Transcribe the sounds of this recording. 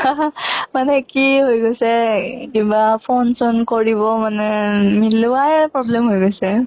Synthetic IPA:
manɛkiɦojɡɔsekimbapʰonsɔnkɔɹibɔmanemilwajpɾɔblemɦojɡɔse

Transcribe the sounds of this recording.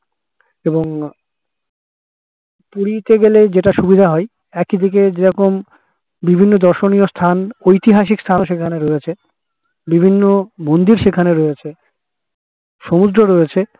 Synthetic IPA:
eboŋ | puɾit̪eɡeled͡ʑeʈaʃubid̪ʱaɦɔe | ɛkid̪ʱik̬ed͡ʑeɾɔkom | bibʱinːod̪ɔɾʃoniost̪ʰanojt̪iɦaʃ̬ikst̪ʰanʃekʰaneɾoet͡ɕʰe | bibʱinːomond̪iɾʃekʰaneɾoet͡ɕʰe | ʃomud̪ɾoɾoet͡ɕʰe

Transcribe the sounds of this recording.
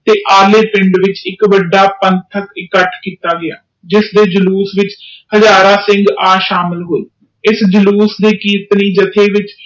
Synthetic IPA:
t̪eːʔaːleːpɪ̃ɳɖʋɪt͡ʃɪkʋəɖːaːpənt̪ʰəkɪkəʈʰkiːt̪aːɡɪja̰ː | d͡ʒɪsd̪eːd͡ʒəluːsʋɪt͡ʃhəd͡ʒaːɾaːsɪ̃ŋɡaːʃaːmɪlɦoːiː | ɪsd͡ʒəluːsd̪eːkiːt̪niːd͡ʒət̪ʰeːʋɪt͡ʃ

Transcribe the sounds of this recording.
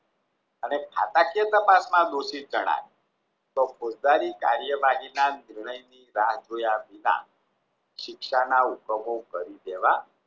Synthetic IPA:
ənekʰa̰t̪akiət̪əpasmãd̪oʃid͡ʒəɽ̃a̰ʋi | t̪okod͡ʒd̪aɾika̰ɾjəʋaɦinanɪɾɳəjniɾaɦd͡ʒojabilã̰ | ʃɪkʃanaukəmokəɾid̪eʋa

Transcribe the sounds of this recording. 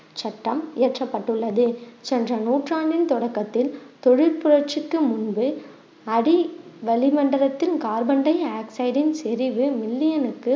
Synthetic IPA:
t͡ʃɐʈːɐmɪɐʈrɐpːɐʈːɯɭːɐðɯt͡ʃɛndrɐnuːʈraːɳɖɪnt̪ɔɽɐkːɐt̪ːɪlt̪ɔɻɪɾpʊɾɐɾt͡ʃɯkːɯmʊnbɯ | ɐɽiʋɐlɪmɐɳɖɐɾɐt̪ːɪlkaːɾbɐɳɖɐɪaːksɐɪɽɪnsɛɾɪʋɯmɪlːɪjɐnɯkːɯ

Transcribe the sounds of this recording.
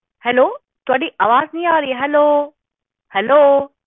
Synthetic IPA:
hɛloː | t̪ʊaɗiʔaːʋaːznĩaːɾiːɦɛloː | hɛlo

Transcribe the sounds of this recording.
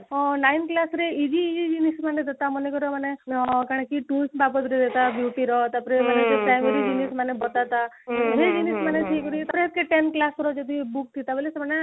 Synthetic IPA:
najnklasɾeid͡ʒiːd͡ʒid͡ʒinismaned̪et̪amɔnekɔɾɔmanekaɽ̃ekiʈulsbapɔt̪ɾed̪et̪abjuʈiɾɔt̪apɾemaned͡ʒepɾajmeɾid͡ʒinismanebɔt̪at̪a | ɦed͡ʒinismanetʰikɔɾit̪apɾeɦet̪̚keʈenklaskɔɾɔd͡ʒɔd̪ibuk̚t̪ʰit̪abɔlesemane

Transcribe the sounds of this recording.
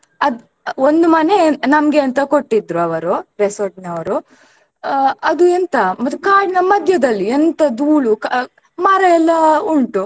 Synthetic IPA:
ɐd̪ | ond̪umɐne̞nɐmɡeɐnt̪ɐkoʈːid̪ɾuɐʋɐɾuɾesoɾʈnɐʋɐɾu | ɐd̪uent̪ɐmɐt̪ːukaːɽinɐmɐd̪ʱjɐd̪ɐlːient̪ɐd̪uːɭuk | mɐɾɐɛlːɐuɳʈu

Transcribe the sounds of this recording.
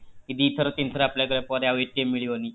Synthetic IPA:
kid̪iːt̪ʰəɾət̪int̪ʰəɾapljak̬əɭapɔɾjaʋeʈemːiɭiani

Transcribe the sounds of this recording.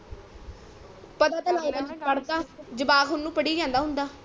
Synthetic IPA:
pət̪aːt̪alaːibə̃d͡ʒpəɽd̪aːd͡ʒəbaːkɦʊnːũːpəɽiːd͡ʒãːnd̪aːɦʊ̃nd̪aː

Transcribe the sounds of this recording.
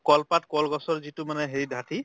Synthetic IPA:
kɔlpatkɔlɡɔsɔɹzitʊmanɛɦeɹidʱati

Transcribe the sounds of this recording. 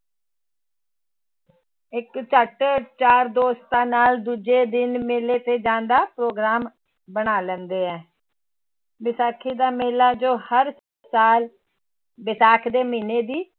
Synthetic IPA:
ɪkt͡ʃəʈt͡ʃaːɾd̪oːst̪ãːnaːld̪uːd͡ʒeːd̪ɪnmeːleːt̪eːd͡ʒãːnd̪aːpɾoːɡɾaːm | bəɳaːlɛnd̪eːɛː | ʋɪsaːkʰiːd̪aːmeːlaːd͡ʒoːhəɾ | saːl | ʋɪsaːkʰd̪eːmiːneːd̪iː

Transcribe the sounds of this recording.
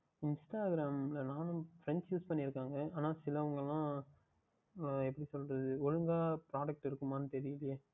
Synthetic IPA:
ɪnsʈaːɡɾaːmlɐnaːnʊ̃fɾɛnsjuːspɐɳːiɾɯkːaːŋɡɐaːnaːsɪlɐʋɐŋɡɐlːãː | ɛpːɐɽisɔlrɐðɯɔɻɯŋɡaːpɾaːɖɐk̚ʈɪɾɯkːɯmaːnːɯt̪ɛɾɪjɪlɪjɐ

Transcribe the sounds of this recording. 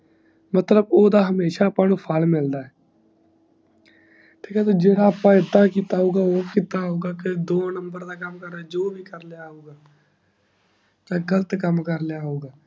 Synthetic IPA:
mət̪ləboːd̪aːɦəmeːʃaːpːãːnũːpʰaːlmɪld̪aːɛː | ʈʰiːkɛːt̪oːd͡ʒeːɽaːəpãːɪd̪ːaːkiːt̪aːɦoːɡaːoːkiːt̪aɦoːɡaːked̪oːnəmbəɾd̪aːkəmkəɾad͡ʒoːbʱiːkəɾlejaːɦoːɡaː | t̪ãːɡələt̪kəmkəɾlejaːɦoːɡaː

